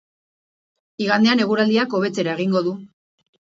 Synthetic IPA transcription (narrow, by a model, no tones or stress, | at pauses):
iɣand̪e̞ane̞ɣ̞uɾald̪iako̞β̞e̞t͡se̞ɾae̞ɣiŋɡo̞ðu